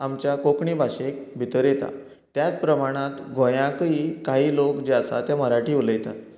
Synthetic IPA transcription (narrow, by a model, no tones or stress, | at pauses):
amt͡ɕjakokɳiːbʱaɕekbʱit̪əɾjet̪a̰ | t̪jat͡spɾəmaɽ̃ãt̪ɡʱojãkiːkaɦiːlokd͡ʑeasa̰t̪jaməɾaʈiːuləjt̪a̰